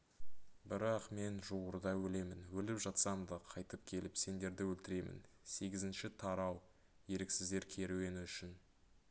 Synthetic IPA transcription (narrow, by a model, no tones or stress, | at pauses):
bɪɾɑqme̞nʒuʁʊɾd̪ɑwɵle̞mɪnwɵlɪpʒɑt̪sɑmd̪əqʰɑjt̪əp̚kʲʰe̞lɪpse̞nd̪e̞ɾd̪ɪwɵlt̪ɪɾe̞mɪ̰n | se̞ɡʲɪzɪnʃɪt̪ʰɑɾɑw | je̞ɾeksɪzd̪e̞ɾkʲʰe̞ɾuwe̞nɪʏʃɪn